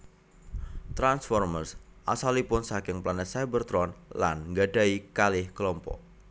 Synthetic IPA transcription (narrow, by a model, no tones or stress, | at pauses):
t̪ɾansfɔrmərsʔasalipʊnsakɪŋplanɛt̪sajbərt̪ɾɔnla̰nŋɡaɖa̤ikalɪhkəlɔmpɔ̰ʔ